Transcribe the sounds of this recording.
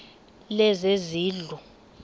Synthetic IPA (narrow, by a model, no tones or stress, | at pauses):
lɛzeziːɮu